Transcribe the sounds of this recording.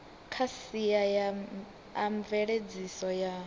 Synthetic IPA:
kʰasijaja | aɱvɛɺed͡zisɔja

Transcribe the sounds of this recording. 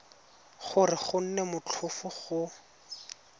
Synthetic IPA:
χʊrɪχʊn̩nɛmʊt͡ɬʰʊfʊχʊ

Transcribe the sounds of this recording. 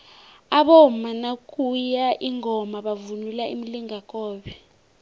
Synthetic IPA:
aɓɔmanakʼujaʔiŋʱɔmaɓavunulaʔimiliŋakʼɔːɓɛ

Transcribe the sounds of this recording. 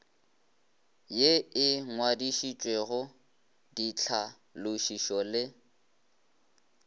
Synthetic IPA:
jeɪŋwadiʃit͡ʃʼweɣʊ | dit͡ɬʰa | lʊʃiʃɔlɪ

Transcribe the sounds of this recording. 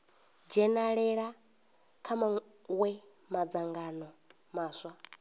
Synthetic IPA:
d͡ʒɛnaɺɛɺa | kʰama | wɛ | mad͡zaŋɡanɔ | maːswa

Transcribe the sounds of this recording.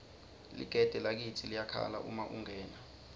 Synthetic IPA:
lḭɡ̥ʱɛd̥ʱɛlak̬itʰilijakʰa̰la̰ʔumaʔuŋɛːna

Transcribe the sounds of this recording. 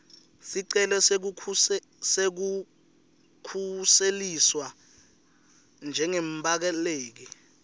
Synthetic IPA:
siǀɛlɔk̬uu | sek̬u | kʰuseliswa | nd͡ʒʱɛŋembak̬ɛleːk̬ɛ

